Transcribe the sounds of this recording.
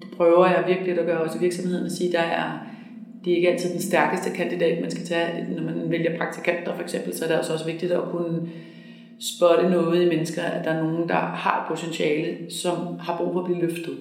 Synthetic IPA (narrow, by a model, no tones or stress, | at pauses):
d̥epʰʁœːʊɐjɑ̈ɪʋiɐɡ̥əlid̥æɡ̥ɶːɐɒ̽siʋiɐɡ̥sɒ̽mhe̝ð̞̰ˠnɒsiːd̥ɑ̈æɐ | d̥eɐe̝ɡ̥əæl̰t͡sʰið̰ˠd̥ensd̥æɐɡ̥əsd̥əkʰænd̥id̥ɛ̰ːd̥mænsɡ̥æt͡sʰænɒmænʋeljɐpʰʁɑ̈ɡ̥̚t͡sʰi̥kʰæn̰d̥ɐfɒ̽eɡ̥sem̰b̥l̩sɒɐɾ̥eɒsəɒ̽səʋe̝ɡ̥̚d̥id̥ɒkʰunə | sb̥œɾənɔ̽ːð̩ˠimenəsɡ̥ɐæd̥ɑ̈æɐno̝ːn̩d̥ɑ̈hɑ̥̈pʰo̝t͡sʰenɕɛːləsɒ̽mhɑ̈b̥ʁṵːfɒ̽ːb̥liːløfd̥ð̩ˠ